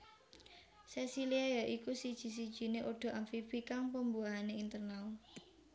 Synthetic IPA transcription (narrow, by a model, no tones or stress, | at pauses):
sɛsiliajaʔikusid̥ʒ̥i̤s̬id̥ʒ̥i̤neʔoɖ̥o̤ʔaɱfifikaŋpəmbuaɦaneint̪ərnal